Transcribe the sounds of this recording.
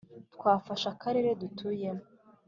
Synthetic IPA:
tkwaːfaʃakaɾe̞ɾe̞dutʰuje

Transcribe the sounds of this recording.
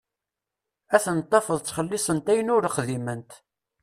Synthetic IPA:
æθənət̪ˤːɑfəðˤt͡sːχəlːɪsˤənt̪æjənʊɾəχðimənt̪

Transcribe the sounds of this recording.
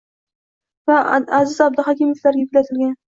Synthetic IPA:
vaazɪzab̚d̪ɪχakʲimoflaɾɡʲajykʲlat̪ʰɪlɡʲan

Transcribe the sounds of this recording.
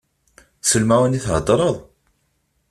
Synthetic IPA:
səlmæwəniθɦə̰d̪ˤɾˤəðˤ

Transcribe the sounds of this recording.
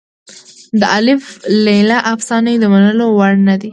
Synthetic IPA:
d̪əʔalɪflelaʔafsɑnajd̪əmanəlowaɽnad̪i

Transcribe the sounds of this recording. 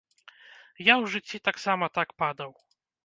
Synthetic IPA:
jawʐɨt͡ɕʲːit̪aksamat̪akpad̪aw

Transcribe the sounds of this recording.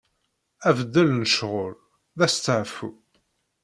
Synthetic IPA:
ævd̪ːælnəʃʁʊl | ðæst̪ːəʕfu

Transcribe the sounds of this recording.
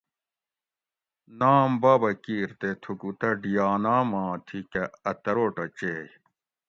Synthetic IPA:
naːmbaːbɐkiːɾt̪et̪ʰukut̪ɐɖijaːnaːmãːt̪ʰikɐɐt̪ɐɾoːʈɐt͡ɕeːj

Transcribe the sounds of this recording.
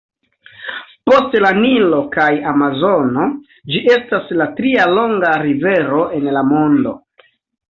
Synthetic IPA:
po̞stlanilo̞kajamazo̞no̞ | d͡ʒiʔe̞staslatɾialo̞ŋɡaɾive̞ɾo̞ʔe̞nlamo̞ndo̞̰

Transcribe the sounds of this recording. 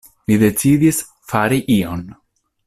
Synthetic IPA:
mid̪e̞t͡sid̪is | faɾiʔio̞n

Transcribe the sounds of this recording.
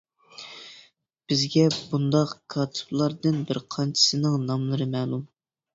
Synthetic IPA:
b̥ɪzɡʲɛbund̪ɑqkʰɑːt̪ʰɨ̥blˠɑɾd̪ɨnbɪɾqʰɑnt͡ʃʰɪ̥sɨnɨŋnɑmlˠɨɾɨmɛːlˠum

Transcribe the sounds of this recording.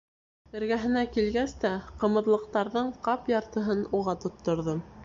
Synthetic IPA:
ɘ̆ɾɡæɦɘ̆nækilɡæst̪æqɤ̆mɤ̆ðlˠɤ̆q̚t̪ɑɾðɤɴqɑpjɑɾt̪ɤ̆ɦɤnuʁɑt̪ŏt̪ːŏɾðo

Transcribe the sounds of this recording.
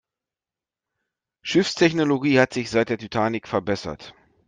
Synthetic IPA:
ʃɪfstʰɛçnoloɡiːhatz̥ɪçz̥aɪt̚d̥eːɐtʰytʰaːnɪkfɛɐbɛsɐ̰t

